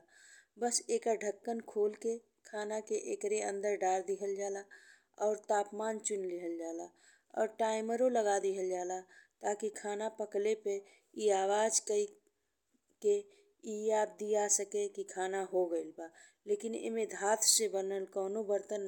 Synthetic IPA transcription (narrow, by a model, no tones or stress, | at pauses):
bəseːkaɖʱəkːənkʰoːlke | kʰaːnakeʔekɾeə̃nd̪əɾɖaːɾd̪iɦəld͡ʒaːla | ɔːɾt̪aːpmaːnt͡ʃʊnlɪɦəld͡ʒaːla | ɔ̰ːɾʈaːɪməɾoləɡaːd̪iɦəld͡ʒaːlat̪aːkikʰaːnapəklepe | iaːwaːd͡ʒkəi | ke | ijaːb̚d̪iasəkekikʰaːnaɦoɡəɪlba | leːkɪnɪ̰mẽd̪ʱaːt̪ʰsebənəlkɔːnobəɾt̪ən